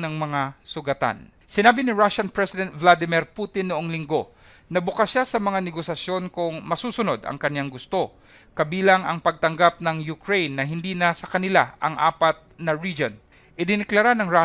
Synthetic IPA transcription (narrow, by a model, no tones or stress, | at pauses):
nɐŋmɐŋasʊɡɐt̪a̰n | sɪnaːbɪnɪɹaʃɐnpɹɛsɪd̪ɛnt̪̚vlad̪ɪmɪɾpuːt̪ɪnːʊʔoŋlɪŋɡo̞ | nɐbʊkasʃasɐmɐŋanɛɡosɐsjo̞nkʊŋmɐsuːsʊnod̪ɐ̰ŋkɐnjaŋɡʊst̪o̞ | kɐbiːlaŋɐŋpɐɡ̚t̪ɐŋɡap̚nɐŋjʊkɹejnːɐɦɪnd̪iːnɐsɐkɐnɪlaʔɐ̰ŋʔa̰ːpɐt̪̚nɐɹid͡ʒon | ʔɪd̪ɪnɪklɐɾanɐŋɹa